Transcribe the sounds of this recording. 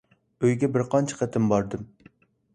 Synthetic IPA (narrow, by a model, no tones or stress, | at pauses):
øjɡʲɛbɪɾqʰɒnt͡ʃʰɛ̥qʰæt̪ʰɨmbɒɾd̪ɨm